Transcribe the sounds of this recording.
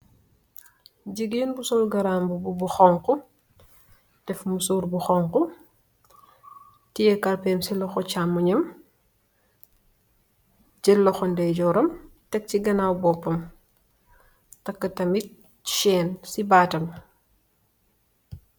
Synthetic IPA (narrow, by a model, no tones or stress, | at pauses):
ɟiɡeːnbusɔlɡɐɾaːmbububuxɔŋqu | d̥ɛfmusuːɾbuxɔːŋku | tijɛkɐlpɛːmsilɔxɔt͡ʃaːmːuɲɐm | d͡ʒɛlːɔxɔndɛɟɔɾɐmtɛk̚t͡ʃiɡɐnawbɔpːɐm | tɐkːɐtɐmit̚ | t͡ʃɛːnsibaːtɐm